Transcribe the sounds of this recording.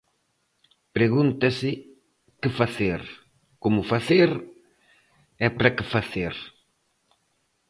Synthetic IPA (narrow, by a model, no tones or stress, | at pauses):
pɾeɣunt̪asɪ | kɪfaθeɾ | komʊfaθeɾ | ɛpɾakɪfaθeɾ